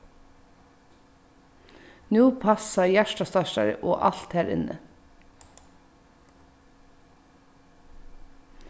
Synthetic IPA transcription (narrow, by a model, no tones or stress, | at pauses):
nuːpʰɑsɑjæʃʈɑst̪ɑʃɑ̰ɾʔo̰ːʔɑlt̪hæːɾɪ̰nə̰